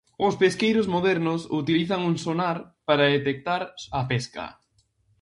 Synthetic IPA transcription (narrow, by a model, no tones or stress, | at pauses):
ʊspeskejɾʊzmoðɛɾnʊsut̪iliθɐŋuŋsonaɾpaɾaðet̪ek̚t̪aɾɐpɛskɐ̰